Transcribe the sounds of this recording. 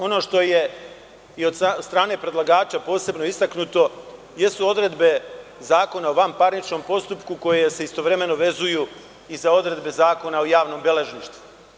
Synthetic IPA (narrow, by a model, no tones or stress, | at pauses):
o̞no̞ːʃt̪o̞je̞ | io̞d̪sst̪ɾaːne̞pɾe̞d̪lˠaɡaːt͡ɕapo̞ːse̞bno̞ist̪aknut̪o̞ | je̞suo̞d̪ɾe̞d̪be̞zaːko̞nao̞ʋampaɾnit͡ʃno̞ːmpo̞st̪upkuko̞jese̞ist̪o̞ʋɾe̞me̞no̞ʋe̞zuju | izao̞d̪ɾe̞d̪be̞zaːko̞naojaːʋno̞ːmbe̞le̞ʒniʃt̪vu̥